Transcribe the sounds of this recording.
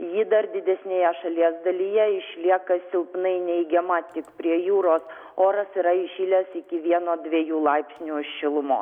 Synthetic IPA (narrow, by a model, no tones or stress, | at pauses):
jiːd̪ɐɾd̪ʲɪd̪ʲɛsʲnʲeːjɛʃɐlʲiɛzd̪ɐlʲijɛɪʃʲlʲiɛkɐsʲɪlˠpnɐɪnʲɛɪɡʲɛmɑːt̪ʲɪkpʲɾʲiɛjuːɾoːs | oːɾɐsiɾɐɪʃʲiːlʲɛsɪkʲɪʋʲiɛnoːd̪ʲʋʲiɛjuːlˠɐɪpʲsʲnʲuːɪʃʲʃʲɪlˠʊmo̰ː